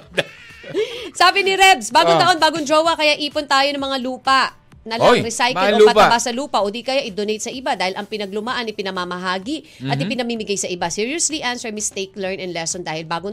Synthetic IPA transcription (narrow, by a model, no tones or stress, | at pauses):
saːbɪnɪɾɛbsbaːɡoŋt̪ɐʔo̞nbaːɡond͡ʒowɐkɐjaʔiːpont̪aːjonɐŋmɐŋaluːpɐʔ | nɐlaɾɪsajkɪlɐpɐtɐbasːɐluːpɐʔoːd̪ikɐjaʔɪd̪onejt̪sɐʔɪbad̪aːhɪlʔɐŋpɪnɐɡlʊmaʔanɪpɪnɐmamɐɦaːɡi | ʔɐt̪̚ɪpɪnɐmiːmɪɡajsɐʔɪbasiɹiosliʔansɛɹmɪst̪ejklɛɹnɛnlɛsond̪aːhɪlbaːɡo